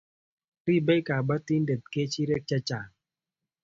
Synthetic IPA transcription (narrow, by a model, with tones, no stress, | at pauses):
ɾi˦˨bɛ˦ka˨ba˦ti˦nde˨t̪̚ke˦t͡ʃi˦ɾɛ˦k̚t͡ʃa˦t͡ʃa˨ŋ